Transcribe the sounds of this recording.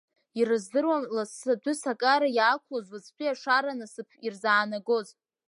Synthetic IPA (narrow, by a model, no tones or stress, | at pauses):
iɾɨzdɨrwamlasadʷʏsakʼaɾajaːkʷʰlozwɨt͡sʰpʷʰʼiaʂaɾanasɨpʰirzaːnaɡoz